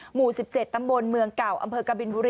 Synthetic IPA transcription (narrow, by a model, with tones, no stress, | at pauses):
muː˨˩si˨˩p̚t͡ɕe˨˩t̪ːa˧mbo˧nmɯ˧əŋka˨˩wʔa̰˧mpʰɤː˧ka˧bi˧nbuː˧ɾi˧